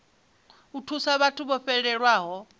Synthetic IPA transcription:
utʰusaβatʰuβɔɸɛɺɛɺwaːɦɔ

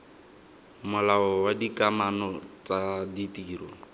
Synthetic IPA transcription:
mʊlaɔwadikʼamanɔt͡sʼaditiːɾɔ

